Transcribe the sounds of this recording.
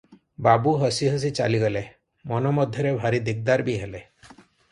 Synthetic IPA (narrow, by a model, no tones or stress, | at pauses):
babuɦɔsiɦɔs̬it͡ʃa̰liɡɔle | mɔnɔmɔd̪ʱjɔɾebʱaɾid̪ik̚d̪aɾbiɦele